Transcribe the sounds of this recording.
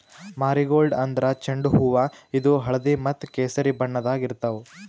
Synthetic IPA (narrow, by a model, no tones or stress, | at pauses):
maːɾiɡoːlɖɐnd̪ɐɾɐt͡ʃɐɳɖuɦuʋɐid̪uɦɐɭɐd̪imɐt̪ːkeːsɐɾibɐɳːɐd̪aːɡiɾt̪ɐʋu